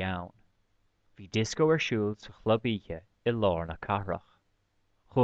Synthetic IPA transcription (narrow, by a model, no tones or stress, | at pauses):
awn | v̥iːd̪ɪskowɛɹʃuːlsəxləbiːçə | ɪlɔːɹnəkʰaɹə̰x | xu